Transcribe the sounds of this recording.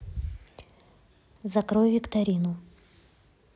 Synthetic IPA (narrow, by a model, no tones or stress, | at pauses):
zɐkɾojvʲɪkt̪ɐɾʲinʊ